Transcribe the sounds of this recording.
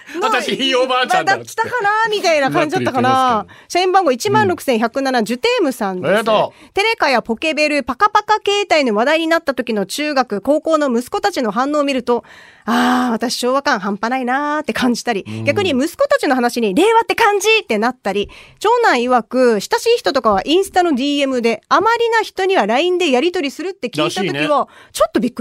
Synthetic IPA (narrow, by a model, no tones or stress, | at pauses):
at̪aɕiiobaːt͡ɕãd̪akʲi̥t̪akanamʲit̪ainakãɲ̟d͡ʑid̪at̪ːakanaɕaĩmbãŋɡo̞it͡ɕimãnɾo̞kɯ̟̥sẽçakɯ̟nanad͡ʑɨt̪e̞ːmɯ̟sãnd̪et̪e̞ɾe̞kajapo̞ke̞be̞ɾɯ̟pakapakake̞ːt̪aino̞βad̪aiɲ̟inat̪ːat̪o̞kʲino̞t͡ɕɨːɡakɯ̟ko̞ːko̞ːno̞mɯ̟sɨ̥ko̞t̪at͡ɕino̞ɦãnːo̞ːmʲiɾɯ̟t̪o̞aːβat̪aɕi̥ɕo̞ːβakãɰ̃ɦãmpanainat̪ːe̞kãɲ̟d͡ʑi̥t̪aɾʲiɡʲakɯ̟ɲ̟imɯ̟sɨ̥ko̞t̪at͡ɕino̞ɦanaɕiɲ̟iɾe̞ːβat̪ːe̞kãɲ̟d͡ʑit̪ːe̞nat̪ːaɾʲit͡ɕo̞ːnãɰ̃iβakɯ̟ɕi̥t̪aɕiːçi̥t̪o̞t̪o̞kaβ̞aʔĩɰ̃sɨ̥t̪ano̞d̪ʲiːe̞mɯ̟d̪e̞amaɾʲinaçi̥t̪o̞ɲ̟iβaɾaĩnd̪e̞jaɾʲit̪o̞ɾʲisɨɾɯ̟t̪ːe̞kʲiiːt̪ao̞kʲiβat͡ɕot̪ːo̞bʲikːɯ